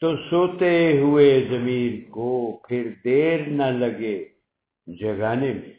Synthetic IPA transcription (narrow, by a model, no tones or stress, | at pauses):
t̪osoːt̪eɦuezɐmiːlkopʰɪɾd̪eːɾnɐlɐɡe | d͡ʒɐɡaːnemḛ̃